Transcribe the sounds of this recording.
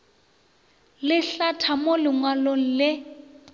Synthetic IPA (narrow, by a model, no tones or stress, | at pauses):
lɪɬatʰamolɪŋwaloŋ̩lɪ